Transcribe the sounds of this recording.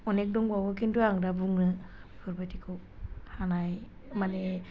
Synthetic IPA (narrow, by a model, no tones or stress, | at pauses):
ɔnek̚doŋbawakinduaŋdabuŋnɯ | pʰɯɾbat̪ʰiko | hanaj | mane